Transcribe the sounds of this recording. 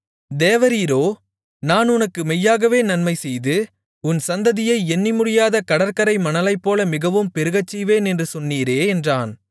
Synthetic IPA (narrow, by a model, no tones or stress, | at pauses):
d̪eːʋɐɾiːɾoː | naːnʊnɐkːɯmɛjːaːɣɐʋeːnɐnmɐɪsɛjðɯ | ʊnsɐnd̪ɐðɪjɐɪɛnːimʊɽɪjaːðɐkɐɽɐɾkɐɾɐɪmɐnɐlɐɪpːoːlɐmɪɣɐʋɯmpɛɾɯɣɐt͡ʃːiʋeːnɛndrɯsɔnːiːɾeːɛndraːn